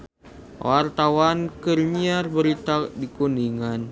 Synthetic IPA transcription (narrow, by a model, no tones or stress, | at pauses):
wart̪awankərɲiarbəɾit̪adikundiŋan